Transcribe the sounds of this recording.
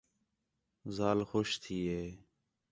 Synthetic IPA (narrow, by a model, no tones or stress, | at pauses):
zaːlxoːʃt̪ʰiːɦeː